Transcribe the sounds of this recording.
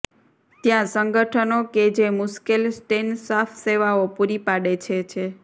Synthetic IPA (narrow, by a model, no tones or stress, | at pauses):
t̪jãsəŋɡəʈʰənoked͡ʒemʊʃkilsʈensafʰseʋaopuɾipaɽet͡ʃʰet͡ʃʰe